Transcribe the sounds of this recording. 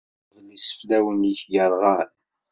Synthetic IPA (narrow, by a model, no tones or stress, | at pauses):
vənisə̥flæwəniçɡəɾˤʁɑɾ